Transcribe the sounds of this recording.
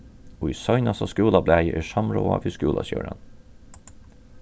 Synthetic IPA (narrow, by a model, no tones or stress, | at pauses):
oːisœʏnɑsɑskʉːlɑblæɪʔeːʃɑmɹoːɑʋiskʉːlɑsjø̰ːɹə̰n